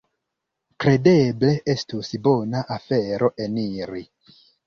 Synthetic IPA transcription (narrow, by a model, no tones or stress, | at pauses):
kɾe̞de̞ble̞ʔestusbo̞naʔafeɾo̞ʔe̞niɾi